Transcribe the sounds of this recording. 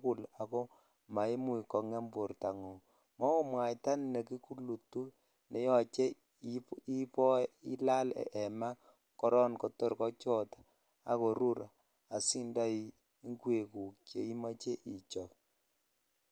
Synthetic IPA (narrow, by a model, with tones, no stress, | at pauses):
ku˦˨la˨ko˦ | ma˨i˦mu˦i˨kɔ˨ŋɛ˦mbo˨ɾta˨ŋo˨ | mɔ˦o˦mwa˨jta˦nne˨ki˦ku˦lu˨tu˦ | nɛ˨˦jɔ˨t͡ʃe˦ | i˦pɔ˦i˦la˦l̰ʔɛ˨ma˦ | kɔ˦ɾɔ˦nko˨to˦ɾkɔ˦t͡ʃɔ˦˨tḁ˨ | a˨ko˨ɾu˦ɾʔa˨ | a˨si˦nda˦i˨ | i˦ŋɡwe˨ku˨kje˨i˦ma˦t͡ʃe˦ʔi˨t͡ʃɔ˨